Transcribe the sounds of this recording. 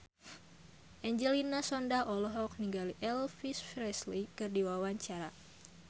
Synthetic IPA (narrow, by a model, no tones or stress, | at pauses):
ʔɛɲd͡ʒɛlinasɔndaʔɔlɔɦɔk̚niŋɡaliʔɛlfisfɾɛslikɨrdiwawaɲt͡ʃaɾa